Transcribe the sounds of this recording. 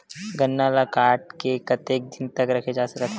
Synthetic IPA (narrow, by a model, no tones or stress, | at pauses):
ɡɐnːaːlakaːɾʈ̚kekɐt̪eːk̚d̪ʱint̪əkɾɐkʰed͡ʒaːsɐkət̪ʰ